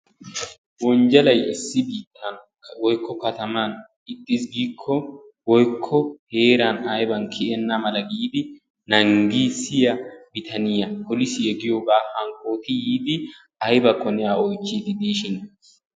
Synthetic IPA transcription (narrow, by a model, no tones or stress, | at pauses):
wɔnd͡ʒɐlɐjɪsːɪbiːt̪ʼːɐn | wɔjkʰːɔkɐt̪ɐman | ɪt̪ʼːɪs̬ɡiːkʰːɔ | wɔjkʰːɔhe̞ːɾɐnɐjbɐnkʰɪʔɛnːamɐlɐɡiːd̪ɪ | nɐŋɡiːsɪjɐbɪt̪ʰɐnɪjɐpʰɔlɪsɪɛɡɪjoːɡaːhɐŋkʼo̞ːt̪ɪjiːd̪ɪ | ɐjbɐkɔnɪjaːɔjt͡ʃːiɡɪd̪iːʃɪn